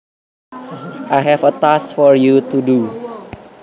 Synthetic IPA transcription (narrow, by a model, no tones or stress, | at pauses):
ʔajɦɛfət̪asfɔɹjut̪udu